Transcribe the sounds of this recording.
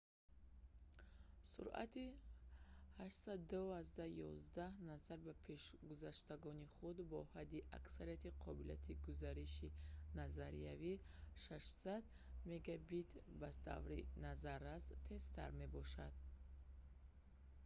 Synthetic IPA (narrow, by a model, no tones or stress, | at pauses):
sṵɾa̰t̪i | haʃsad̪aazd̪ahjɔ̰zd̪ahnazaɾbapʰe̞ʃɡuzaʃt̪aɡɔniχud̪bɔhad̪ːiʔa̰ksaɾijat̪ʰiqʰɔbilia̰t̪ʰiɡuzaɾiʃinazaɾḭavi | ʃaʃsad̪ | me̞ɡabit̪ʰbat̪ʰa̰vɾḭnazaɾast̪ʰe̞st̪ʰa̰ɾme̞bɔʃad̪̥̚